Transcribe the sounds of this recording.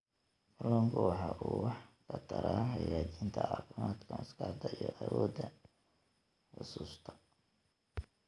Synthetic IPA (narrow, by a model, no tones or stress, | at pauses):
fɐlːɔːŋkʰʊwɑħɑʔuːwɑħkʰɐt̪ʰɐɾʔaːhɑjaːt͡ʃiːnt̪ʰɐʕɑ̰fɪmaːd̪kʰɐmʊskɑʕd̪ɐijɔʔɐwɔːd̪ɐ | ħʊsuːst̪ʰɐ̥